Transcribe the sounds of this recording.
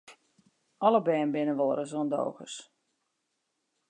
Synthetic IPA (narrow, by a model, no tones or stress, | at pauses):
ɔləbɛːnbɪnəʋoːɾəzoːndo̰ːɣə̰s